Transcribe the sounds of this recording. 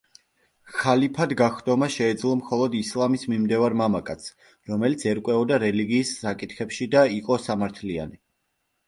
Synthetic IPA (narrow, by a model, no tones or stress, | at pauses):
χalipʰad̪ɡaχd̪ɔmaʃɛːd̪zlˠɔmχɔlˠɔd̪islˠamismimd̪ɛvaɾmamakʼat̪sʰ | ɾɔmɛlit̪sʰɛɾkʼwɛɔd̪aɾɛliɡiːsːakʼit̪ʰχɛpʃid̪aiqʼɔsamaɾt̪ʰlia̰ni